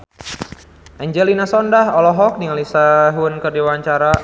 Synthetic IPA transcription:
ʔɛɲd͡ʒɛlinasɔndaɦɔlɔɦɔk̚niŋalisaɦunkərdiwaɲt͡ʃaɾa

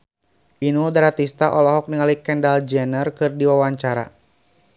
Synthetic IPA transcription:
ʔinudaɾat̪ist̪aʔɔlɔɦɔk̚niŋalikɛndald͡ʒɛnərkɨrdiwawaɲt͡ʃaɾa̰

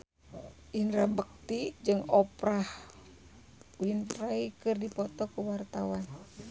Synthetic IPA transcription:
ʔinɾabək̚t̪id͡ʒɨŋɔpɾah | winpɾaikɨrdipɔt̪ɔkuwart̪awan

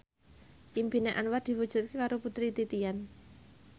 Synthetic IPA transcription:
ʔimbineʔanward̪̥i̤wud̥ʒ̥ṳt̪̚kekaɾoput̪ɾit̪it̪ijan

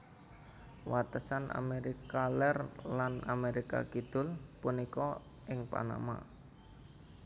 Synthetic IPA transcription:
wat̪əsanʔa̰meɾikalɛrlanameɾika̰kid̪̥ʊ̤lpunikɔ | ʔɪŋpa̰na̰ma̰

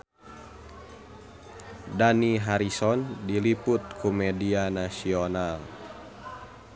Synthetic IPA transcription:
daniɦaɾisɔndiliput̪̚kʰumɛdianasiɔnal

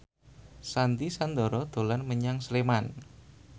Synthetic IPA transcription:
sant̪isand̪ɔ̤ɾɔd̪̥o̤lanməɲaŋsleman

